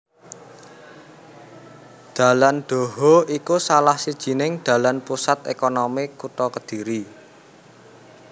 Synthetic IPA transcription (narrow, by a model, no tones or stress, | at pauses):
d̪̥ä̤land̪̥ɔ̤ɦɔikusalahsid̥ʒ̥i̤nɪŋd̪̥a̤lanpusat̪̚ḛkɔnɔmikut̪ɔkəd̪̥i̤ɾi